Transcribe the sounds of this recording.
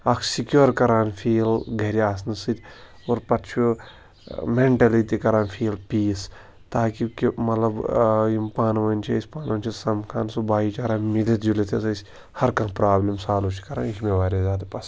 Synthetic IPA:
ɐkʰsikjoːɾkɐɾaːnfʰiːlɡʱɐɾiaːsnɐsɨt̪ʲ | oːɾpɐt̪t͡ʃʰu | meɳʈɐlit̪ikɐɾaːnfʰiːlpiːs | t̪aːkikimɐt̪lɐbimpaːnʋɐnʲt͡ʃʰiisʲpaːnʋɐnʲt͡ʃʰisɐmkʰaːnsubaːit͡ʃaɾaːmilet̪d͡ʒulet̪ʰesɐsʲ | hɐɾkãːpɾaːblimsaːlut͡ʃʰi̥kɐɾaːnikmeʋaːɾʲezaːd̪ɐpɐs

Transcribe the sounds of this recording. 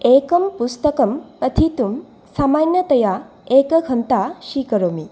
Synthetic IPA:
ekɐmpust̪əkɐmpɐt̪ʰit̪um | samanjɐt̪ɐja | ekɐɡʱɐnt̪aʃikəɾomi

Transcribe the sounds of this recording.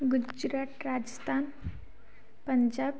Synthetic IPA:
ɡud͡ʑɾaʈɾad͡ʑəst̪ʰan | pəɲd͡ʑab

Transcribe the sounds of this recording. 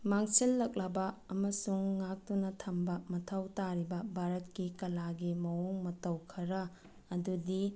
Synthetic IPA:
maŋsilːɐk̚lɐbɐɐmɐsuŋːak̚tunɐtʰɐmbɐmɐtʰɐwtaɾibɐbʱaɾɐt̚kikɐlaɡimɐwoŋmɐtɐwkʰɐɾɐː | dudi

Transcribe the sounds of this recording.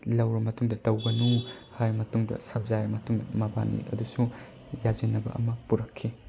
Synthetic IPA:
lɐwɾɐmɐtuŋdɐtɐwɡɐnuhajɾimɐtuŋdɐ̰sɐb̚zajɾɐmɐtuŋdɐ̰mɐba̰nḭɐ̰dusu | jad͡ʒinɐbɐ̰ʔɐ̰mɐpuɾɐkʰːi

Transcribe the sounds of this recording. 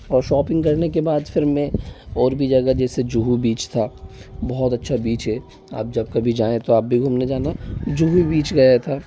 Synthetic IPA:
ɔːɾʃɔːpɪ̃ŋɡkɐɾnekebaːd̪fʰɪɾːẽɔːɾbʱid͡ʒɐɡad͡ʒɛːsed͡ʒuɦubiːt͡ʃt̪ʰaːbɔɦɔt̪ɐtːʃʰabiːt͡ʃɦɛ | a̰ːp̚d͡ʒɐbkabʱid͡ʒaːẽt̪oaːp̚bʱiɡʱuːmned͡ʒaːnad͡ʒuɦubiːt͡ʃɡɐjat̪ʰaː

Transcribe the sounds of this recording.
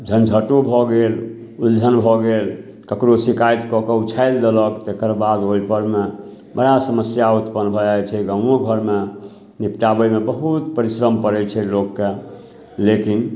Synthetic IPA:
d͡ʒʱənd͡ʒʱəʈobʱɔɡel | uld͡ʒʱənbʱɔɡel | kəkɾosikajt̪kɔkeut͡ʃʰajld̪eləkt̪ekəɾbad̪oipəɾme | bəɽasəməsjaut̪pənbʱɔd͡ʒajt͡ʃʰɛɡə̃oɡʱəɾme | nipʈabəjmebəɦut̪pəɾisɾəmpəɾɛt͡ʃʰɛlokːe | lekin

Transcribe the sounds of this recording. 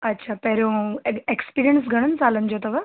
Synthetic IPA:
ɐtːɕʰapeɾekspiɾijəns̬ɡʱəɽ̃ənt͡salənd͡ʑot̪əʋa

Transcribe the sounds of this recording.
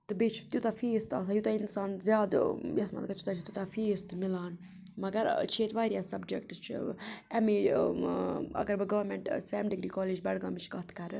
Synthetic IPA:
t̪ɨbet͡ʃʰit̪jut̪ɐfiːst̪a̰ːsaːjut̪ɐinsaːnzjaːd̪jɐsmɐ̰t̪kɐt̪jut̪aːt͡ʃʰit̪jut̪ɐfiːst̪milaːn | mɐɡɐɾt͡ʃʰeːt̪ʋaːɾijaːsɐbd͡ʒekʈɨst͡ʃʰḭɛmi | ɐ̰ɡɐɾbɨɡɐʋɐɾmeɳʈsɛːmɖiɡɾiːkɔːleːd͡ʒbɐɽɡaːmit͡ʃʰkɐɦt̪ʰkɐɾɨ

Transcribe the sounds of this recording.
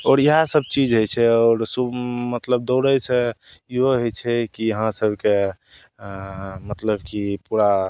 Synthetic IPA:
ɔːɾjəɦasəb̚t͡ʃid͡ʒɦojt͡ʃʰɛɔːɾsubmət̪ləb̚d̪oɾəjt͡ʃʰɛiɦoɦojt͡ʃʰɛkijəɦãsəbʱke | mət̪ləbkipuɾa

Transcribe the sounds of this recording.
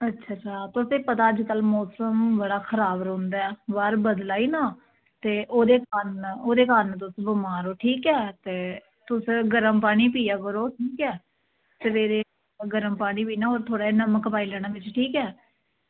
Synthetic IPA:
ətːʃʰaːt͡ʃaːt̪ʊseːpət̪aːəd͡ʒkəlmɔːsəmbəɽaːkʰəɾaːbɾõʊ̃ːnd̪aːɛːʋaɾbəd̪laːiːnaː | t̪eːʔoːd̪eːkənoːd̪eːkəɾnt̪̬ʊsbʊmaːɾoːʈʰiːkɛːt̪eː | t̪ʊsɡəɾəmpaːɽ̃iːpiːjaːkəɾoːʈʰiːkɛː | seʋeːɾeː | ɡəɾəmpaːɽ̃iːpiːnaːoːɾt̪ʰoːɽaːeːnəməkpaːiːlɛːɽ̃ãːʋɪt͡ʃʈʰiːkɛː

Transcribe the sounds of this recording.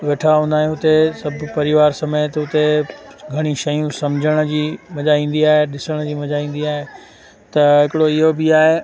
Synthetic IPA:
ʋeːʈʰaɦũnd̪aːjũɦʊt̪esɐbʱʊpɐɾɪʋaːɾsɐmeːt̪ɦʊt̪eɡʱɐɽ̃iʃɐjũsɐmd͡ʑʱəɽ̃̆d͡ʑiːmɐʄaĩːn̆d̪iaːɦeɗɪsəɽ̃d͡ʑiːmɐʄaĩːn̆d̪iaːɦe | t̪ɐɦɪkɪɽoɪɦobiaːɦe

